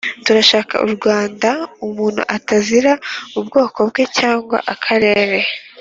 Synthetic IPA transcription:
tuɾaʃaːka̰ʔṵɾɡwaːndaumuːn̥hṵʔataziɾaubɡo̞ːko̞b̚ɡe̞caːŋɡwa̰ʔakʰaɾe̞ːɾe̞

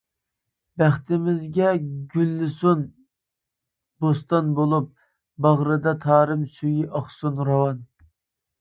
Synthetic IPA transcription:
bæχt̪ʰɪmɪzɡʲɛɡʲylːɪsun | bost̪ɑnbolˠup̚ | bɑʁɾɨd̪ɑt̪ʰɑːɾɨmsyjiʔɑχsunɾɑwɑn

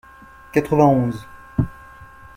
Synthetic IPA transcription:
kat̪χəvɛ̃ɔ̃z

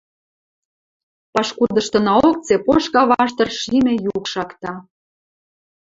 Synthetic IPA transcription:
pɑʃkud̪ɤ̆ʃt̪ɤ̆nɑok̚t͡sepoʃkɑβɑʃ̬t̪ɤ̆rʃimʲĕjukʃɑkt̪ɑ

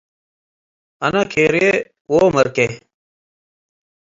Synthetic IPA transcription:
ənakʰeːɾe | oːməɾkeː

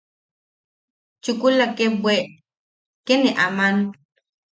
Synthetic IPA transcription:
t͡ʃukulakebweʔ | keneʔaman

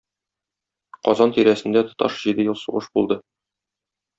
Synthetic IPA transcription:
qɒzɑnt̪iɾæsɘ̆nd̪æt̪ŏt̪ɑ̰ʃʑid̪ɘjɤlˠsuʁɤʃbulˠd̪ɤ

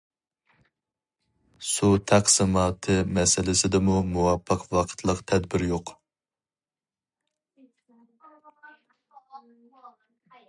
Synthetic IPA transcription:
sut̪ʰæqsɨmɑːt̪ʰɨmɛsɪlɪsɪd̪ɪmumuwɑpʰːəqʰwɑqʰə̥t̪ʰlˠəqt̪ʰɛd̪bɪɾjoq

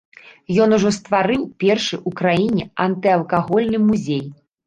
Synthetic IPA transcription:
jɔnuʐɔst̪vaɾɨwpʲɛrʂɨjʔukɾajinʲɛɐnt̪ɨɐlˠkaɣɔlʲnɨmuzʲej

